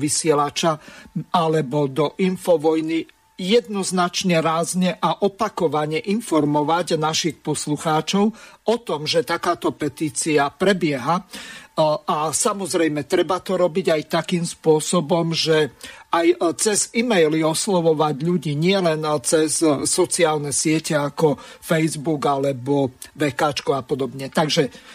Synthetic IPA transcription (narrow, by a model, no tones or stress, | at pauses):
ʋisɪɛlat͡ʃaalɛbɔd̪ɔʔinfɔʋɔjni | jɛd̪nɔznat͡ʃɲɛɾaːzɲɛʔaʔɔpakɔʋaɲɛʔinfɔɾmɔʋaɟnaʃixpɔsluxaːt͡ʃɔʊɔt̪ɔmʒɛt̪akaːt̪ɔpɛt̪iːt͡siapɾɛbɪɛɦa | asamɔzɾɛjmɛt̪ɾɛbat̪ɔɾɔbiɟajt̪akiːmspʊɔsɔbɔmʒɛajt͡sɛzimɛjliɔslɔʋɔʋaɟʎuɟiːɲɪɛlɛnt͡sɛsːɔt͡siaːlnɛsɪɛcɛakɔfɛjzbuɡalɛbɔʋɛkaːt͡ʃkɔapɔd̪ɔbɲɛt̪aɡʒɛ